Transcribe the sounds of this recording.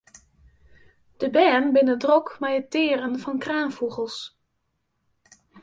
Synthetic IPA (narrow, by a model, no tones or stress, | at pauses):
d̥əbɛːnbɪnədrɔkmɛjətɪːrənvɑnkraːnfuɣəlˠs